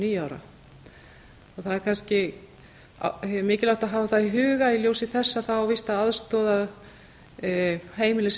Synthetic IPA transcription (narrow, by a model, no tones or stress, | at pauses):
niːjaːwɾa̰ | ɔθaðɛɾ̥kʰanscɪ̰ | mɪːcɪlaht̪aðɦaːvaθaðiɦʏːɣailjoːwsɪθɛsːaθawvɪst̪aðaðst̪ɔːðaɣ | heːjmɪlɪs